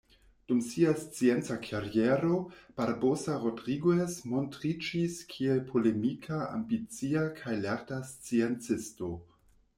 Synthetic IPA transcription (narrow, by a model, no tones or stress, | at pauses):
d̥umsiast͡sient͡sakʰaɾieɾob̥aɾbosaɾo̞dʁiɡwesmo̞ntɾid͡ʒiskʰielpʰo̞le̞mikʰaa̰mbit͡siakʰajlaɾtast͡sient͡sɪsto̞